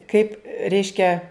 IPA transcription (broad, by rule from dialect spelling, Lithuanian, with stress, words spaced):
kɐɪp ˈrʲɛɪʃʲkʲɛ